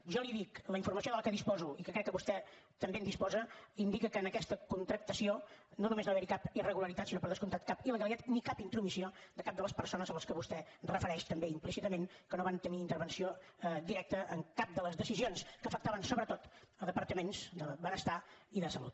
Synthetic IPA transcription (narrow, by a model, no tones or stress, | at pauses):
ʒɔliðikləiɱfuɾməsioðələkəðispɔzuikəkɾɛkːəβust̪ɛ | t̪əmbend̪ispɔzəind̪ikəkəːnəkɛst̪əkunt̪ɾək̚t̪əsiononumeznoaβɛɾikapirəɣuləɾit̪at̪sinopəɾðəskunt̪at̪̚kapiləɣəlˠit̪at̪nikapint̪ɾumisiod̪əkap̚d̪ələspəɾsonəzələskəβust̪ɛrəfəɾɛʃt̪əmbeimplisit̪əmeŋkənoβant̪əniːnt̪əɾβənsiod̪iɾɛk̚t̪əʔəŋkap̚d̪ələzðəsizionskəːfək̚t̪aβənsoβɾət̪ot̪əðəpəɾt̪əmenzd̪əβənəst̪aiðəsəlṵt̪̚